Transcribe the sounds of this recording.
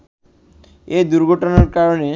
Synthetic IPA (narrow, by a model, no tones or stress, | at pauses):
ed̪uɾɡʱoʈonaɾkaɾone